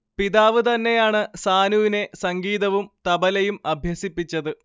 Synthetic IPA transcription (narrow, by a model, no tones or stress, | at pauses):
piðaːʋɨt̪ɐnːe̞jaːɳɨsaːnuʋine̞sɐŋɡiːðɐʋumt̪ɐbɐlɐjumɐbʱjɐsipːit͡ɕːɐðɨ